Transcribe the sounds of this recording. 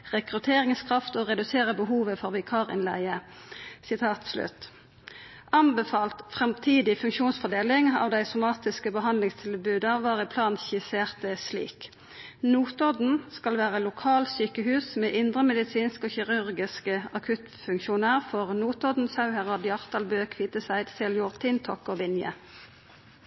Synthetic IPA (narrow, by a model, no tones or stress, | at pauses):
ʁɛkʁʉt̪ʰeːʁɪŋskʰʁɑft̪oːʁɛd̪ʉseːʁəbəɦuːʋəfɔʁʋɛkʰɑːʁɪ̰nlæɪə | sɪt̪ʰɑːt̪slʉ̰t̪ | ʔɑnbəfɑːlt̪fʁɛmt̪ʰiːd̪ɪfʉŋkʃuːnsfɔʁd̪eːlɪŋɑ̰ːʋd̪æɪsʊmɑːt̪ɪskəbəɦɑnd̪lɪŋst̪ʰɪlbʉːd̪ɑʋɑːʁɪpʰlɑːnçɪseːʁt̪əslḭːk | nuːt̪ɔd̪n̩skɑlʋæːʁəlʊkʰɑːlsyːkəhʉːsmeːʔɪnd̪ʁəmɛd̪ɪsiːnskoːçɪʁʉʁɡɪskəɑkʰʉt̪fʉŋkʃuːnəʁfɔʁnuːt̪ɔd̪n̩sɑʉhæʁɑd̪jɑʁt̪ɑlbøːkʰʋiːt̪əsæɪd̪sɛljʊːʁt̪ʰɪnt̪ʰɔkoːʋɪnjə̰